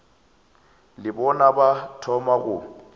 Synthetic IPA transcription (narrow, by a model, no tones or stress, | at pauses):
lɪbɔnabatʰɔmaɣʊ